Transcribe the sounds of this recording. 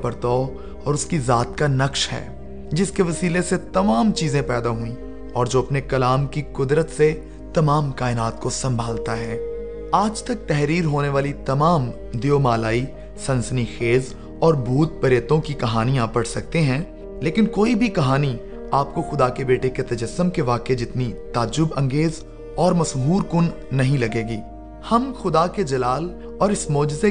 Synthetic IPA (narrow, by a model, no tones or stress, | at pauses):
pɐɾt̪ɔː | ɔːɾʊskizaːt̪kanɐkʃhɛ̰ː | d͡ʒɪskeʋɐsiːleset̪ɐmaːmt͡ʃiːzẽpɛːd̪aɦuĩ | ɔːɾd͡ʒoːɐpnekɐlaːmkikʊd̪ɾət̪se | t̪ɐmaːmkaːɪnaːt̪kosɐ̃mbʱaːlt̪aɦɛː | aːd͡ʒt̪ɐk̚t̪ɛɦɾiːɾɦoːneʋaːlit̪ɐmaːm | d̪ijomaːlaːi | sɐ̃nsənixeːz | ɔːɾbʱuːt̪̚pɐɾjət̪õkikɐɦaːnijãpɐɽsɐk̚t̪eɦɛ̃ː | leːkɪnkoːibʱikɐɦaːni | aːp̚koxʊd̪akebeːʈeket̪ɐd͡ʒəsːəmkeʋaːked͡ʒɪt̪nit̪aːd͡ʒʊbɐ̃ŋɡeːz | ɔːɾmɐsɦuːɾkʊnː | ɐɦĩlɐɡeːɡiː | hɐmxʊd̪aked͡ʒɐlaːl | ɔːɾɪsmɔːd͡ʒze